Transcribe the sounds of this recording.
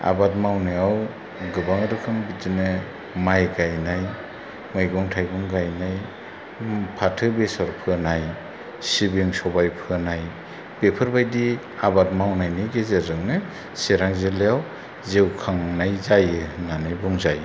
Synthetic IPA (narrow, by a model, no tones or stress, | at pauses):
a̰bat̚mawnɯjaw | ɡɯbaŋɾɯkʰɯŋbitɯnɯ | majɡajnaj | mɯjɡɔŋtʰajɡɯŋɡajnaj | pʰatʰɯbesɔɾpʰɯnaj | sibiŋsɔbajpʰɯnaj | b̥epʰɯɾbajdi | abat̚mawnajnɯɡezeɾɯŋnɯ | seɾaŋzelejaw | zewkʰaŋnajzajɯnanɯjbuŋzaj